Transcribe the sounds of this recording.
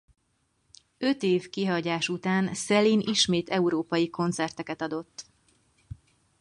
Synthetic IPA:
ø̞t̪eːvkiɦɒɟaːʃut̪aːnsɛliniʃmeːt̪ʰɛuɾoːpɒjiko̞nt̪sɛrt̪ɛkɛt̪ɒd̪o̞t̪ː

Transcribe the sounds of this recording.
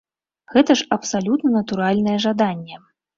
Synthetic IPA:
ɣɛt̪ɐʂɐpsalʲut̪nɐnɐt̪uɾalʲnɐjɛʐad̪anʲːɛ

